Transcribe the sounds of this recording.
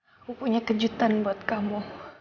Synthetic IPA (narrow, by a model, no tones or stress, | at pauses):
upuɲakəd͡ʒut̪anbuat̪̚kamu